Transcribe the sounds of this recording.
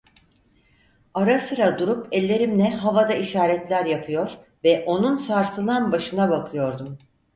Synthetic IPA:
aɾasɯɾad̪uɾupɛlʲːe̞ɾimlʲɛɦavad̪aiʃaːɾɛt̪lʲæɾjapʰɯjo̞ɾ | vɛʔo̞nunsaɾsɯlˠanbaʃɯnabakʰɯjo̞ɾd̪um

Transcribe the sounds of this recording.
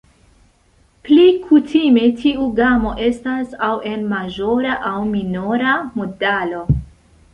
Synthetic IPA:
plikʰutʰime̞tʰiuɡamo̞ʔe̞stasawe̞nmaʒo̞ɾaʔawminoɾamodalo̞

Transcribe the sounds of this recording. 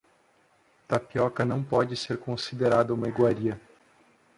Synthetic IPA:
t̪apiɔkɐnɐ̃w̃pɔd͡ʒɪseɾkõsid̪eɾad̪ɐũmɐiɡwaɾiɐ

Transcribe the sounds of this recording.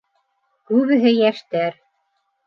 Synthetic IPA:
kʉβɘ̆ɦɘjæʃt̪æɾ

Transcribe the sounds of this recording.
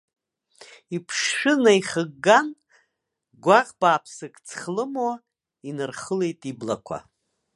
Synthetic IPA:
ipʰʂʂɨnaiχəɡːan | ɡʷaqʼb̥aːpʰsɨkʼt͡sʰχlɨma | inɨrχəle̞jtʼibla̰kʷʰa̰

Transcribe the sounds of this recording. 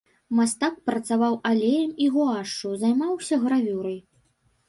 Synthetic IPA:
mast̪ak̚pɾɐt̪savawalʲejɐmiɣuaʂt͡ʂuzajmawsʲɐɣɾavʲuɾɐj

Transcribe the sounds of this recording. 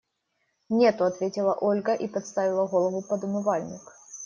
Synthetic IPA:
nʲet̪ʊɐt̪vʲetʲɪlˠɐʔolʲɡəʔipɐt̪st̪avʲɪlˠəɣolˠəvʊpɐd̪ʊmɨvalʲnʲɪ̰k

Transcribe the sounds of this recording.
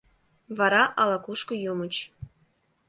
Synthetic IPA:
βɑɾɑʔɑlɑkuʃkŏjomə̆t͡ɕ

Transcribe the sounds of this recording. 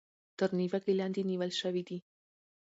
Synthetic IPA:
t̪əɾniwakelɑnd̪eniwəlʃəwid̪i

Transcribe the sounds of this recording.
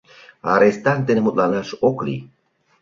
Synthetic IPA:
a̰ɾest̪ant̪enemut̪ʼlanaʃoklḭ

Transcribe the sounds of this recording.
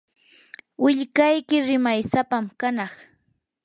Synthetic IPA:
wɪʎkajkɪɾɪmajsapamkanɑχ

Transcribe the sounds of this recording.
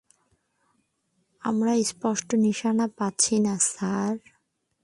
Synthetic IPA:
amɾaejspɔʃʈoniʃanapatːɕʰinasaɾ

